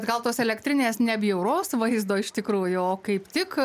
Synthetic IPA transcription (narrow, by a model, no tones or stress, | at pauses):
t̪ɡɐlˠt̪oːsɛlʲɛkt̪ʲɾʲɪnʲeːsnʲɛbʲjɛʊɾoːsʋɐɪzd̪oːɪʃt̪ʲɪkɾuːjʊoːkɐɪpt̪ʲɪk